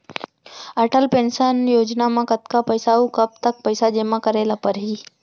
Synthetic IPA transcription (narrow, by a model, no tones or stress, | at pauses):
əʈʰəlpẽnsənjoːd͡ʒnamãkət̪kapɐɪsaukəb̚t̪ək̚pəɪsad͡ʒemãkəɾeːlapəɾɦiː